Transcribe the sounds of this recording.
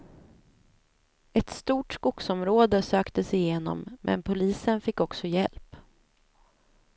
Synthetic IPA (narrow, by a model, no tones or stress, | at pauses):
ɛt̪st̪uːʈskʊksɔmɾoːd̪əsøːkt̪əsɪjeːnɔ̰mːʔɛ̰npʰʊliːsənfɪkːɔksɔjɛ̰lp